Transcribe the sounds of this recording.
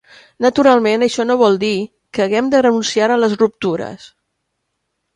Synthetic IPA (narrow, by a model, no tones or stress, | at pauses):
nət̪uɾalˠmenəʃɔnoβ̞ɔlˠd̪i | kəːɣɛmd̪ərənunsiaɾələzrup̚t̪uɾə̰s